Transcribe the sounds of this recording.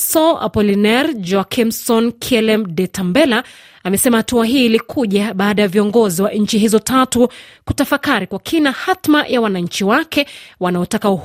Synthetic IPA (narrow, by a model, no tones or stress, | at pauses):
sɔʔa̰pɔlinɛɾd͡ʒɔkʰimsɔnkʰɛlɛmɗɛtambɛla | amɛsɛmahatuaɦiːlikʰuʄaɓaːɗajaviɔŋɡɔziwaʔɲ̩t͡ʃiɦizɔtʰatukutafakaɾikwakʰinahatmajʔawanaɲ̩t͡ʃiwakɛwanaɔtakau